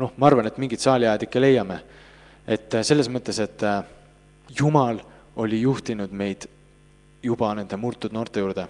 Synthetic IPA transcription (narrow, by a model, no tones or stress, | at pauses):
no̞hmɑɑrvɑne̞t̪ːˑmiŋɡ̥it̪sɑːlʲiɑjd̪ikːele̞jːɑme̞ | et̪ːse̞lːesmɤt̪ˑːe̞se̞t̪ːˑ | jumɑl | o̞lʲijuht̪inud̪̥me̞jd̪̥ | jub̥ɑne̞nd̪̥e̞murt̪ːˑud̪no̞ːrt̪ːe̞juːrd̪̥e̞